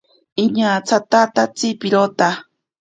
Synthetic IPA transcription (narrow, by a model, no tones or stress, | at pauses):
iɲat͡sʰat̪at̪at͡sipiɾot̪a